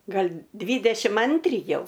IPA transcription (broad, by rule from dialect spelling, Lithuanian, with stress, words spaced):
ˈɡɐlʲ ˈdʲʋʲiːdʲɛʃʲɪm ˈɐnʲtʲrʲɪ ˈjɛʊ